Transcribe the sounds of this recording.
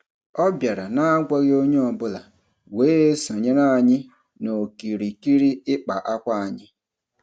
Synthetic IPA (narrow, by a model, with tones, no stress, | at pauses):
ɔ˦bja˨ɾa˨na˦a˦ɡʷa˦ɣɪ˦o˦ɲe˦ɔ˨bʊ˦la˨ | weː˦e˦so˨ɲe˦na˦˨ɲɪ˦ | no˨ki˨ɾi˨ki˦ɾi˦ɪ˦k͡pa˨ʔa˦kʷa˦a˨ɲɪ˦